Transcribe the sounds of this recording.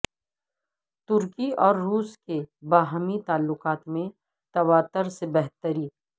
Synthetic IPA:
t̪ʊɾkiɔːɾːuːskebaːɦmit̪aːlːʊqaːt̪mẽ | t̪ɐʋaːt̪əɾsebɛɦt̪əɾiː

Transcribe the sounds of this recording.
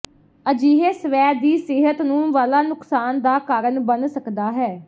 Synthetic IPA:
əd͡ʒiːɦeːsəʋɛːd̪iːsɪɦət̪nũːʋaːlaːnʊksaːnd̪aːkaːɾənbənsəkd̪aːɦɛː

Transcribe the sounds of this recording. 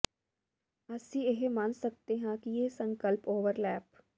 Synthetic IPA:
əsĩːeɦmansək̚t̪eːɦãːkɪjeːsəŋkəlpoːʋəɾlɛːp

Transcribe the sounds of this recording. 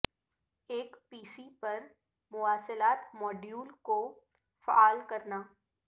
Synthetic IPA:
eːkpiːsipɐɾ | mʊaːsəlaːt̪mɔːɖjuːlko | faaːlkɐɾnaː

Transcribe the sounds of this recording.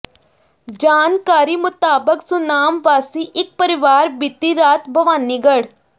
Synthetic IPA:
d͡ʒaːnkaːɾiːmʊt̪aːbəksʊnaːmʋaːsiːʔɪk̚pəɾɪʋaːɾbiːt̪iɾaːt̪bʱəʋaːniːɡəɽ

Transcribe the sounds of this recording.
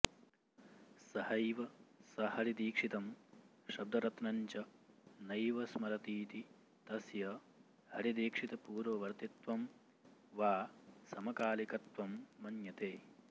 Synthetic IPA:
sɐhɐjʋɐsɐhɐɾid̪iːkʂit̪ɐm | ʃɐb̚d̪ʱɐɾɐt̪nɐɲt͡ʃɐnɐjʋɐsmɐɾɐt̪iːt̪i | t̪ɐsjɐ | hɐɾid̪iːkʂit̪ɐpuːɾʋɐʋɐɾt̪it̪ʋɐm | ʋaːsɐmɐkaːlikɐt̪ʋɐmːɐnjɐt̪eː

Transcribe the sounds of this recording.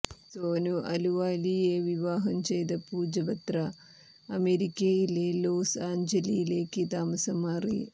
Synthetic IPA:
soːnuʔɐluʋaːlijeʋiʋaːɦɐmt͡ʃejd̪ɐpuːd͡ʒɐbɐt̪ɾɐ | ɐmeɾikːejileloːsaːɲd͡ʒɐlijileːkːit̪aːmɐsɐmaːrḭ

